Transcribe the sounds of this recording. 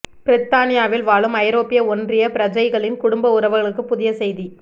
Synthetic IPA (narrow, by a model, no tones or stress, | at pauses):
pɪɾɪt̪ːaːnɪjaːʋɪlʋaːɭɯmɐjɾoːpɪjɐɔndrɪjɐpɪɾɐd͡ʒɐɪɣɐɭɪnkʊɽʊmbɐʊɾɐʋɯɣɐɭɯkːɯpːʊðɪjɐsɛjði